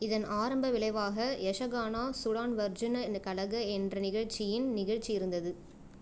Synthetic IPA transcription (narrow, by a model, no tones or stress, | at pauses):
ɪðɐnaːɾɐmbɐʋɪlɐɪʋaːɣɐɛʂɐɣaːnaːsʊɽaːnʋɐɾd͡ʒɪnnkɐɭɐɣɐɛndrɐnɪɣɐɻt͡ʃːɪjɪnnɪɣɐɻt͡ʃijɪɾɯnd̪ɐðɯ